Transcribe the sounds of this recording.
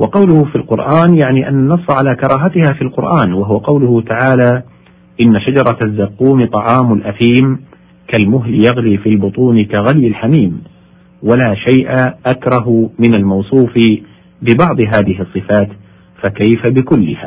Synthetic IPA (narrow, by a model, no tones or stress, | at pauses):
wɑqɑwlʊhʊfilqʊɾʔaːnjaʕniːʔanːanːɑsˤːʕalaːkɑɾˤɑːɦat̪ɪhaːfilqʊɾʔaːnwaɦʊwaqɑwlʊhʊt̪aʕaːlaː | ʔɪnːaʃad͡ʒɑɾˤɑzːaqːuːmɪt̪ˤɑʕɑːmʊlʔaθiːm | kalmʊɦlɪjaɣliːfiːlbʊt̪ˤuːnɪkaɣaljɪlħamiːm | walaːʃajʔaʔakɾˤɑɦʊmɪnalmɑwsˤuːf | bɪbɑʕd̪ˤɨɦaːðɪɦɨsˤːɨfaːt̪ | fakajfabɪkʊlːɪ̰ha̰ː